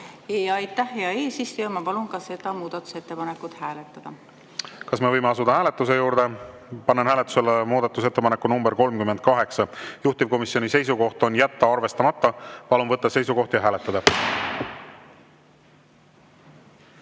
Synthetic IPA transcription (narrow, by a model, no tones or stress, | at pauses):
ejɑjt̪ːˑæhjeɑe̞ːsist̪ujɑmɑpɑlunkɑse̞d̪̥ɑmuːd̪̥ɑt̪ːˑu̥set̪ːe̞pɑnekːˑut̪hæːlet̪ːˑɑd̪̥ɑ | kɑsme̞vɤjmeɑsud̪̥ɑhæːle̞t̪ːˑus̬e̞juːɾd̪̥e̞ | pɑnːenɦæːlet̪ːˑu̥selːmuːd̪̥ɑt̪ːˑus̬e̞t̪ːe̞pɑnekːˑunumbeɾko̞lmkymːed̪̥̚kɑɦe̞ksɑjuht̪ivko̞misjo̞nʲise̞jsuko̞ht̪o̞njæt̪ːɑɑrve̞st̪ɑmɑt̪ˑːɑpɑlumvɤt̪ːɑse̞jsuko̞ht̪jɑɦæːlet̪ːˑɑd̪ɑ